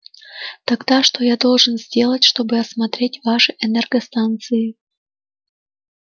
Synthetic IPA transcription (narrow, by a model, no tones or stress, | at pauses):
t̪ɐɡd̪aʂt̪o̞jad̪o̞lˠʐɨnzʲdʲe̞lˠətʲʂt̪o̞bɨɐsmɐt̪ɾʲetʲvaʂɨʔɛnɛrɡəst̪ant̪sɨɪ